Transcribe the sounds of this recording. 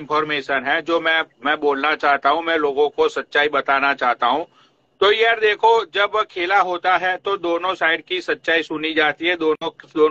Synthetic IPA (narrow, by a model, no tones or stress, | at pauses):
npʰɔːɾmeːʃənɦɛ̃d͡ʒoːmɛ̃mɛ̃boːlnat͡ʃaːɦt̪aɦũmɛ̃loːɡõkosɐtːʃaːibɐt̪aːnat͡ʃaːɦt̪aɦũ | t̪ojɐɾd̪eːkʰod͡ʒɐbkʰeːlaɦoːt̪aɦɛt̪od̪oːnõsaːɪɖkisɐtːʃaːisʊnid͡ʒaːt̪iɦɛd̪oːnõd̪oː